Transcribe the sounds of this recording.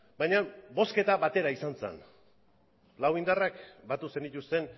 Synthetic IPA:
bajɲabo̞ske̞t̪aβat̪e̞ɾaisant͡sḛn | lawind̪arakbat̪use̞nit̪ust̪e̞n

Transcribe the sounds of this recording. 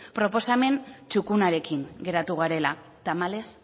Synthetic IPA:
pɾo̞po̞same̞nt͡ʃukunaɾe̞kiŋɡe̞ɾat̪uɣ̞aɾe̞la | t̪amale̞s

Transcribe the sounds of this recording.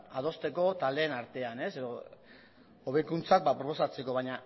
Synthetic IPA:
að̞o̞st̪e̞ko̞t̪ald̪e̞ːnaɾt̪e̞ane̞se̞ðo | oβe̞jkunt͡sak̚bapɾopo̞sat͡se̞ko̞β̞aɲa

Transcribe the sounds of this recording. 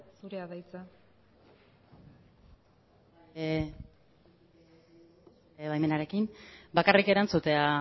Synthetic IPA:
suɾeaðajt͡sa | eβajme̞naɾe̞kinbakarike̞ɾant͡sut̪e̞a

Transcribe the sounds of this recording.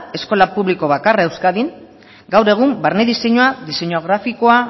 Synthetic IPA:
e̞sko̞lapuβliko̞βakarae̞wskaðiŋ | ɡawɾe̞ɣ̞umbaɾne̞ðise̞ɲoaðise̞ɲoɣɾafiko̞a

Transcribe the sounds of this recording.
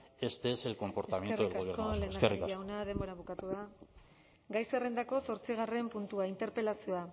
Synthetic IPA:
e̞st̪eese̞lko̞mpo̞ɾteasamjenrueauslekole̞ːnd̪aeriaiawnað̞e̞mbo̞ɾaβ̞ukat̪uða | ɡajsere̞nd̪ako̞so̞ɾt͡siɣ̞are̞mpunt̪uaint̪e̞ɾpe̞lasio̞a

